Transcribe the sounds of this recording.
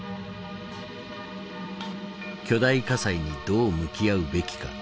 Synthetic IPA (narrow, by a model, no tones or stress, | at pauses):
kʲo̞d̪aikasaiɲ̟id̪o̞ːmɯ̟kʲiaɯ̟be̞kʲi̥ka̰